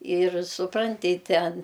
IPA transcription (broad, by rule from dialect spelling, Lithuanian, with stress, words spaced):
ɪr sʊˈprɐnʲtʲɪ ˈtʲɛn